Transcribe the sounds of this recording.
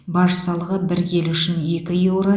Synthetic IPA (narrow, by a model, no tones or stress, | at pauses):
bɑʒəsɑlˠəʁəbɪɾje̞lʏʃɪne̞kʲɪjewɾɑ